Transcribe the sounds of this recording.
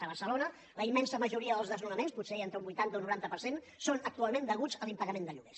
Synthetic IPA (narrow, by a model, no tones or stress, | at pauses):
əβ̞ərsəlonə | ləimːɛnsəməʒuɾiəðəlzðəznunəmensput̪seent̪ɾəumbujt̪ant̪əunuɾant̪əpəɾsen | sonək̚t̪ualˠmend̪əɣud͡zəlimpəɣəmẽnd̪əʎuɣes